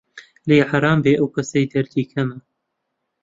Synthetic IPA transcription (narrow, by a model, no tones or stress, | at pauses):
lejħaɾˤɑːmbeːʔɐwkɐsɐjd̪ɐɾd̪iːkʰɐmɐ